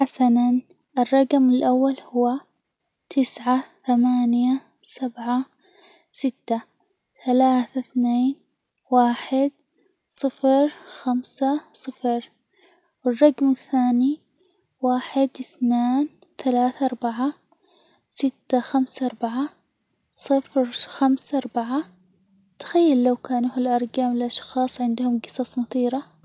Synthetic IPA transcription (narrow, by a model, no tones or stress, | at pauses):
ħasanan | ʔɪrˤːɑɡmɪlʔawːalhʊwa | t̪ʰɪsʕaθamaːnja | sabʕa | sɪt̪ːa | θalaːθaθneːn | waːħɪd̪ | sˤɨfɾxamsasˤɨfɾ | wɪrˤːɑɡmɪθːaːni | waːħɪd̪ʔɪθneːn | θalaːθaʔɑɾˤbaʕa | sɪt̪ːaxamsʔɑɾˤbaʕa | sˤɨfɾxamsaʔɑɾˤbaʕa | t̪ḁxajːalːawkaːnuːhɪlʔɑɾˤɡaːmɪlʔɑʃxɑːsˤʕɪnd̪hʊmɡɨsɑsˤnʊθˤiːɾɑ